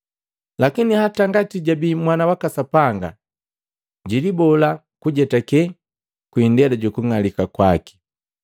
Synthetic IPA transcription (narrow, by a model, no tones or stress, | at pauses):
lakinihataŋɡatiɟabimwanawakasapaŋɡa̰ | ɟilibɔla | kuɟɛtakɛ | kwindɛlaɟukuŋalikakwaki̥